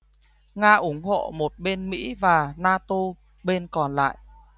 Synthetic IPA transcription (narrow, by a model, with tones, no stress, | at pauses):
ŋaː˧ʔu˨˦əŋɦo̰˧˨mo˨˩t̚ɓe˧nmḭ˧˥vaː˨˩naː˧t̪o˧ | ɓe˧nkɔ˨˩nla̰ː˧˨jʔ